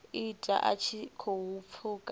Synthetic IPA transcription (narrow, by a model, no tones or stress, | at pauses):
itʼa̰ʔa̰t͡ʃʰikʰoɦup̪fʰukʼ